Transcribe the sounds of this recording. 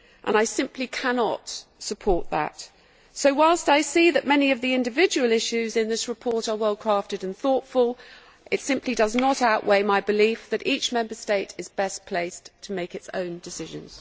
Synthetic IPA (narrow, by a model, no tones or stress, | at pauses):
ʔə̰̃naɪsɪ̃mpʰlikʰænɑtsəpʰɔɹt̪̚ðə̰t | soʊwaɪlˠstaɪsiðɨʔ̚mɛniʌvðiɪ̃ndɨvɪd͡ʒɨwəl̩ˠɪʃʉzɨ̃nðɪsɹɨpʰɔɹɾə˞wɛlˠkʰɹ̥æftɨɾɨ̃nθɔˑtfəlˠ | ʔɨtsɪ̃mpʰlidʌznəɾaʊʔweɪmaɪbɨlifðɨɾit͡ʃmɛ̃mbə˞steɪtʰɨzbɛspʰl̥eɪstʰəmeɪkɨtsõ̰ʊ̃ndɨsɪʒɨ̰̃nz̥